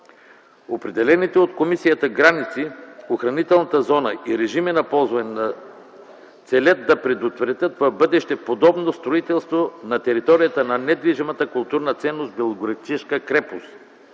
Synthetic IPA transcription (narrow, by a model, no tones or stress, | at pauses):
opɾɛd̪ɛlɛnit̪ɛot̪komisijət̪əɡɾanit̪sioxɾɐnit̪ɛlˠnɐt̪əzɔnəʔiɾɛʒiminɐpɔzvənna | t̪sɛlʲət̪d̪ɐpɾɛd̪ʊt̪vɾɛt̪ʲət̪vɐvbɤd̪ɛʃt̪ɛpod̪ɔbnost̪ɾoit̪ɛlˠst̪vonɐt̪ɛɾit̪ɔɾijət̪ənɐnɛd̪viʒimɐt̪əkʊlˠt̪uɾnət̪sɛnːosbɛlˠoɡɾɐt̪it͡ʃɛʃkəkɾɛpos